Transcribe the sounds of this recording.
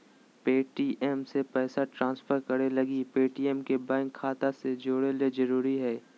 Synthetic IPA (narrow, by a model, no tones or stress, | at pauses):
peːʈiːʔɛmsepɛːsaʈɾãːnsfʰəɾkəɾelɐɡipeːʈiːɛmkebɛ̃ːŋkʰːaːt̪ased͡ʒoːɽeled͡ʒɐɾuːɾiɦɛː